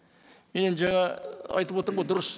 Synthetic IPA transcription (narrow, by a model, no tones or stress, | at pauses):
me̞nenʒɑɴɑɑ̰jt̪əpwo̞t̪əɾəɴojd̪ʊɾəs